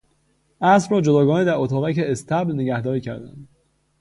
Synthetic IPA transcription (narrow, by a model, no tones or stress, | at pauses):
ʔæsɾɒːd͡ʒod̪ɒːɡɒːned̪æɾot̪ʰɒːɣæceest̪ʰæblne̞ɟæhd̪ɒːɾiːcʰæ̰ɾd̪æ̰nd̪̥